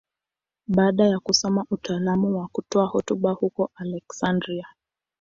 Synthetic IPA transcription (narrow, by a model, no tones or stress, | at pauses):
ɓaːɗajakusɔmaʔutaːlamuwakutɔahɔtuɓahukɔʔalɛksandɾia